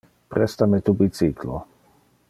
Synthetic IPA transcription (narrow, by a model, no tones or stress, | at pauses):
pɾɛst̪amet̪ubisiklo̰